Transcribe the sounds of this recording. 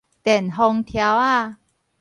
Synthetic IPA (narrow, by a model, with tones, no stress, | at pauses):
t̪ɛ˨˩˨nɦɔ˧ŋt̪ʰa˧˦wa˥˩˨